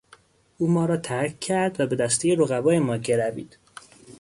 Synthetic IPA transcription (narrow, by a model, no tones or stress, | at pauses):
uːmɒːɾɒːt̪ʰæɾkcʰːæɾd̪væbe̞d̪æst̪ʰejeɾoɣævɒːjemɒːɟeɾævḭːd̪̥